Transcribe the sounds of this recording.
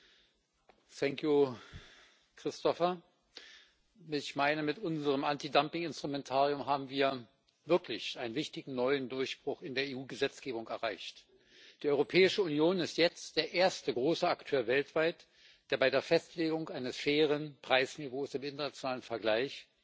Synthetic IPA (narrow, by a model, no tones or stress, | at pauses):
θɛŋkʰju | kʁ̥ɪstʰɔfɐ | ɪçmaɪnəmɪtʔʊnzəʁəmʔantidampɪŋɪnstʁ̥umɛntʰaːʁiʊmɦaːbm̩viːɐ | vɪɐklɪçʔaɪnənvɪçtɪɡŋ̩nɔʏəndʊɐçb̥ʁ̥ʊχɪndeːɐeːuːɡəzɛt͡sɡ̥eːbʊŋkɛɐʁaɪçt | d̥iːʔɔʏʁopʰɛːɪʃəʊnjoːnɪstjɛt͡std̥eːɐʔeːɐstəɡʁoːsəaktʰøːɐvɛltv̥aɪt | d̥eːɐbaɪdeːɐfɛstleːɡʊŋkʔaɪnəsfɛːʁ̞ənpʁ̥aɪsnivoːsɪmɪntɐnat͡sjonaːlənfɛɐɡlaɪç